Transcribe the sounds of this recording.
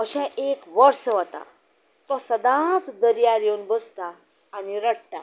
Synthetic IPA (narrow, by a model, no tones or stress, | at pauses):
əɕɛ̃ekʋəɾsəʋət̪a̰ | t̪ɔsəd̪ãt͡sd̪əɾjaɾjonbəst̪aː | niɾəɽt̪a̰